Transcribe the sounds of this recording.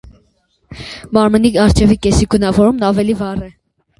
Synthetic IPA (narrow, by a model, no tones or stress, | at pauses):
mɑɾməniɑɾt͡ʃʰɛvikɛsiɡənɑvɔɾumnɑvɛlivɑrɛ